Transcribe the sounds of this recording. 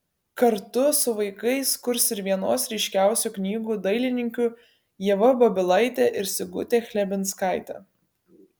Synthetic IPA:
kɐɾt̪ʊsʊʋɐɪkɐɪskʊɾsɪɾʋʲiɛnoːsɾʲɛɪʃʲkʲæˑʊsʲuːˑknʲiːɡuːd̪ɐɪlʲɪnʲɪŋʲkʲu | jɛʋɐbɐbʲɪlˠɐɪt̪ʲeʔɪɾsʲɪɡʊt̪ʲeːxʲlʲɛbʲɪnˑskɑˑɪt̪ʲɛ̰ː

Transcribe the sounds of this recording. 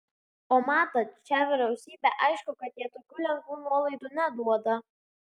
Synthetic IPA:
oːmɑːt̪ɐt͡ʃʲæʋʲɪɾʲɛʊsʲiːbʲæʔɐɪʃkʊkɐt̪jiɛt̪oːkʲuːlʲɛŋkʋuːnuɔlˠɐɪd̪uːnʲɛd̪uɔd̪ɐ

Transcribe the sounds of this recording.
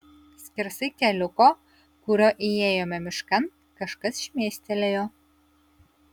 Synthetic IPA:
sʲkʲɪɾsɪkʲɛlʲʊko | kuɾʲoʔijeːjomʲɛmʲɪʃkɐn | kɐʃkɐsʃʲmʲeːsʲt̪ʲelʲejo

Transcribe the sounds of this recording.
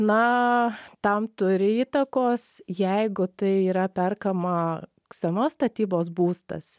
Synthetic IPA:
nɐ | t̪ɐmt̪ʊɾʲɪiːt̪ɐkoːsjɛɪɡʊt̪ɐɪiːɾɐpʲɛrkɐmɐ | sʲɐnoːst̪ɐt̪ʲiːboːsbuːst̪ɐ̰s

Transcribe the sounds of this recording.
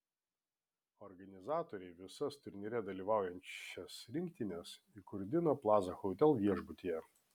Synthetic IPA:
ɔɾɡɐnʲɪzɑːt̪oːɾʲɛɪʋʲɪsɐst̪ʊɾʲnʲɪɾʲɛd̪ɐlʲiːʋɑˑʊjɛnʲt͡ʃʲɛsɾʲɪŋʲkt̪ʲɪnʲɛs | ikʊɾʲd̪ʲɪnoːplˠɑːzɐxɔʊt̪ʲɛlˠʋʲiɛʒbʊt̪ʲijɛ

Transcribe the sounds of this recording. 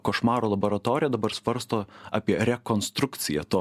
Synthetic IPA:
koʃmɑːɾoːlˠɐboːɾɐt̪oːɾʲɪjɛd̪ɐbɐɾsʋɐɾst̪oːɑːpʲiɛɾʲɛkoːnst̪ɾʊkt̪sʲɪjɛ̰t̪oː

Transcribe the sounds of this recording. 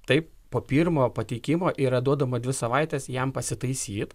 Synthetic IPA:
t̪ɐɪp | poːpʲiːɾmoːpɐt̪ʲɛɪkʲɪmoːʔiːɾɐd̪uɔd̪ɐmɐd̪ʲʋʲɪsɐʋɐɪt̪ʲɛːsjɛmpɐsʲɪt̪ɐɪsʲiːt̪

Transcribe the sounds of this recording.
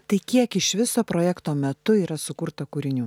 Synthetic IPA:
t̪ɐɪkʲiɛkɪʃʋʲɪsoːpɾoːjɛkt̪oːmʲɛt̪ʊiːɾɐsʊkʊɾt̪ɐkuːɾʲɪnʲuː

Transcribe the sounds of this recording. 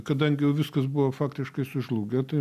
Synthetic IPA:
kɐd̪ɐŋʲɡʲɪjɛʊʋʲɪskɐsbuʋɐfɑːkt̪ʲɪʃkɐɪsʊʒlˠuːɡʲɛt̪ɐɪ

